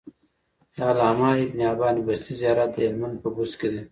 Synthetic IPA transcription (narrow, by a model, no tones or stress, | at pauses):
jaːlhɐmaːibnijaːbɑːnibɐst̪izjaːɾad̪əelmɐnd̪̚pɐɡusked̪e